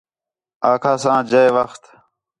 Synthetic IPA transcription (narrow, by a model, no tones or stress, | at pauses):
aːkʰaːsãːd͡ʒəjʋəxt̪